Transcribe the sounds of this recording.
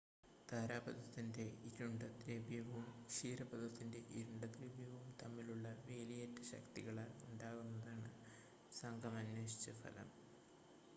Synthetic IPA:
t̪aːɾaːbɐd̪ʱɐt̪ːinde̞iɾuɳɖɐt̪reːbjɐʋɐʋumʂiːrɐbɐd̪ʱɐt̪ːinde̞ʔiɾuɳɖɐt̪riːbjɐʋɐʋumt̪ɐmːiluɭːɐʋe̞ːlijɐtːɐɕɐ̰kt̪iɣɐɭauɳɖaːɣunːɐðaːɳɨ | sɐŋɡʱɐmɐnːweːɕi̥t͡ɕːɐfɐ̰lɐ̰m

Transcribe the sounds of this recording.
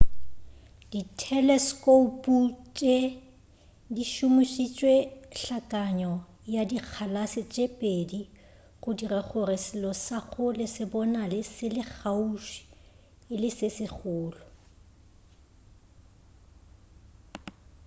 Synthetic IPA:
d̥itʰɛlɛskʼopʼut͡ʃʼe | diʃʊmʊʃit͡ʃʼweɬakʼaɲɔ | jadik͡xʰalasɪt͡ʃʼepʼedi | ɣʊdiraχʊrɪsɪlɔsaɣʊlɪsɪbɔnalɪsɪlɪk͡xʰauʃi̥ | ɪlɪsɪsɪχʊːlɔ

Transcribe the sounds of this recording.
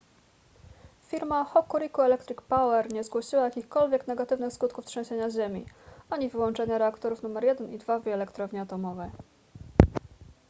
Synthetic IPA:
fʲiɾmaxɔkːuɾikuɛlɛkt̪ɾikpawɛɾɲɛzɡwɔɕiwajakʲixkɔlvʲjɛknɛɡat̪ɘvnɘxskut̪̚kuft̪ʂɛ̃w̃ɕeɲaʑemʲḭaɲivɘwɔnt͡ʂɛɲaɾɛakt̪ɔɾufnumɛɾjɛd̪ɛnid̪vaviɛlɛkt̪ɾɔvɲiat̪ɔmɔvɛj

